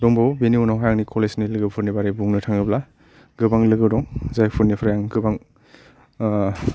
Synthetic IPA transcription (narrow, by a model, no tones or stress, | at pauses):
dɔŋbwbeniunaɦajaŋnikʰɔlesnilɯɡɯpʰuɾnibaɾibuŋnɯtʰaŋɯbla | ɡɯbaŋlɯɡɯwdɔŋzajpʰuɾnipʰaɾjaŋɡɯbaŋ